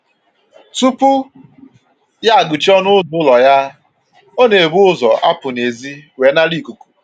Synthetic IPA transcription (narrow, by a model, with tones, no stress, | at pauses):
tu˦pʊ˦ | ja˦a˨ɡʊ˨t͡ʃɔ˦nʊ˦zʊ˦lɔ˨ja˦ | o˦ne˨bʊ˦ʊ˦zɔ˨ʔa̰˦pʊ˨ne˨zi˦we˨˦na˦ɾi˦˨ku˨ku̥˨